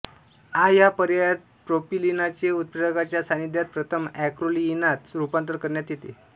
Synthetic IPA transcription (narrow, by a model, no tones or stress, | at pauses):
ajapəɾjajat̪̚pɾopilinat͡ɕeut̪̚pəɾəɡat͡ɕjasanid̪ʱjat̪̚pɾət̪ʰəmækɾoliinat̪ɾupant̪əɾkəɾɳjat̪jet̪ḛ